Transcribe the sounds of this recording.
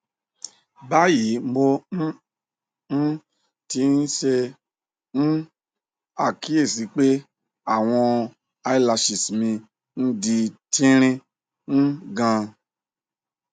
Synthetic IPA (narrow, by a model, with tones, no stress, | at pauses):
ba˦ji˨˦m̩˦bo˦ | n̩˦ | ti˧˦n̩˦ʃe˧ | n̩˦ | a˦˨ki˨˦e˦˨si˨˦k͡pe˦ | a˦˨w̃ɔ̃˧ | a˧i˦la˧ʃi˨smĩ˧ | n̩˦di˧tʰĩ˦ɾ̃ĩ˦ | n̩˦ɡã˧